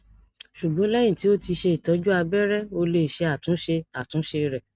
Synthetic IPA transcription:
ʃu˨ɡ͡bɔ̃˨˦lɛ˦jĩ˦˨ti˨˦o˦ti˧ʃe˧i˨tɔ˨˦d͡ʒu˦a˧bɛ˦ɾɛ˦o˧le˦˨ʃe˧a˨tũ˨˦ʃe˧a˨tũ˨˦ʃe˧ɾɛ˦˨

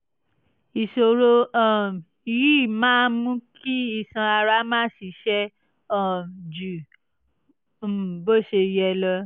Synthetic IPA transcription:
i˨so˧ɾo˧ɔ̃˦˨ | i˨ji˦˨mãː˦mũ˦ki˦i˧˨sã˧a˧ɾa˦mãː˦si˧˦ʃɛ˦ | ɔ̃˦˨d͡ʒu˨ | bo˦˨ʃe˧jɛ˧lɔ˧

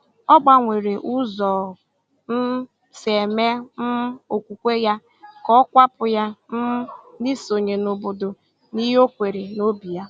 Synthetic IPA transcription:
ɔ˦ɡ͡ba˦ŋʷe˨ɾe˨ʔu˦zɔ˨ | n̩˦ | se˨me˦m̩˦o˨kʷu˨kʷe˦ja˦ | kɔ˦kʷa˦pʊ˨ja˦m̩˦ni˦so˨ɲe˨no˨bo˨do˨ | ni˦ɦo˦kʷe˨ɾe˨no˦bi˨ja˦

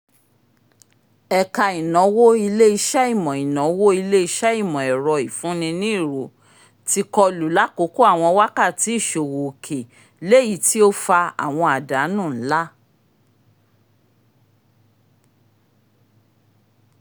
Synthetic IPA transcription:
ɛ˧ka˧i˨nɔ̃˨˦wo˦i˧le˦i˧ʃa˦i˦˨mɔ̃˨i˨nɔ̃˨˦wo˦i˧le˦i˧ʃɛ˦i˦˨mɔ̃˨ɛ˨ɾɔ˨i˨fũ˨˦nĩ˧nĩ˦i˦˨ɾo˨˦ | ti˧kɔ˧lu˨la˨˦ko˨˦ko˦a˦˨w̃ɔ̃˧wa˦ka˦˨ti˨˦i˦˨ʃo˨wo˨kʰe˨ | le˦˨ji˨˦ti˦o˦fa˧a̰˨w̃ɔ̃˧a˨da˨˦nũ˦˨n̩˦la˦

